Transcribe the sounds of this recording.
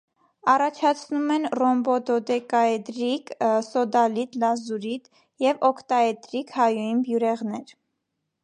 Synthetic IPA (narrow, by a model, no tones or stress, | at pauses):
ɑrɑt͡ʃʰɑt͡sʰnumɛnrɔmbɔd̪ɔd̪ɛkɑɛd̪ɾiksɔd̪ɑlit̪lɑzuɾid̪ | jɛvɔkʰt̪ɑɛd̪ɾikhɑjujinbjuɾɛʁnɛɾ